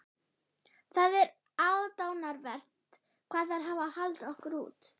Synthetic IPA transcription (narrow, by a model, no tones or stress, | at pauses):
θaðɛɾ | aðt̪aːwnaɾvɛr̥t̪ | kʰv̥aːðθaɾɦavahalt̪ɔhkʏɾṵːt̪